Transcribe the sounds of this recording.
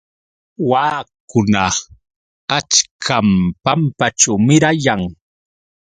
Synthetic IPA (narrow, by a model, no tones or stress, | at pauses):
waːkʊna | at͡ʃkʰampampat͡ʃawmɪɾajaŋ